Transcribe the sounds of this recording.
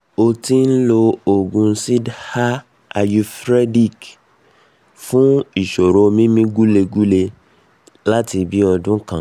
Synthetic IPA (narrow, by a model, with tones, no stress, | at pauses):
o˧ti˧˦n̩˦lo˧o˨ɡũ˧˦si˦dha˦ | a˧ju˧fɾe˦di˦˨k | fũ˦i˦˨ʃo˨ɾo˨˦mĩ˦mĩ˦ɡu˦le˧ɡu˦le˧ | la˦ti˧bi˦ɔ˧dũ˦kã̰˨